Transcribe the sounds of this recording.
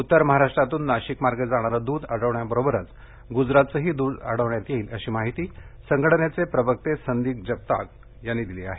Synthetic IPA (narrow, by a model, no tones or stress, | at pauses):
ut̪ːəɾməɦaɾaʂʈɾat̪uːnːaɕikmaɾɡəd͡zaɽ̃aɾad̪uːd̪aɽəʋɳjabəɾobəɾət͡s | ɡud͡zɾat̪̚t͡səɦiːd̪uːd̪ə̰ɽ̤əʋɳjat̪jeiːləɕiːmaɦit̪iːsəŋɡəʈnjet͡sepɾəbək̚t̪esənd̪iːk̚d͡ʑəp̚t̪ak | janːiːd̪iliaɦe